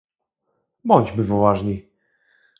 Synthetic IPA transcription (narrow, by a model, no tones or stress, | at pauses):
bɔɲʲd͡ʑbɘvɔvaʐɲi